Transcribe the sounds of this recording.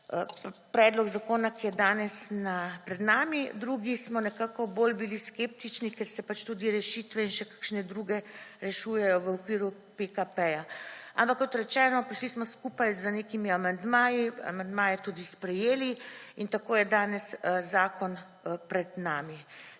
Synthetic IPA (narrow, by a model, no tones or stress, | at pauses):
pɾɛːd̪lɔɡzakoːnakijɛd̪aːnɛsnapɾɛd̪naːmid̪ɾuɡismɔnɛkaːkɔboːlbiliskep̚t̪it͡ʃnikɛɾsɛpat͡ʃt̪uːd̪iɾɛʃit̪ʋɛinʃɛkḁkʃnɛd̪ɾuːɡɛɾɛʃujɛjɔʋəukʋiːɾu | pekapɛjaampakːɔt̪ɾɛt͡ʃɛːnɔpiʃlismɔskupajzəneːkimiamand̪maːjia̰mand̪maːjɛt̪ud̪ispɾɛjeːliint̪akoːjɛd̪aːnɛszaːkɔn | pɾɛd̪naːmi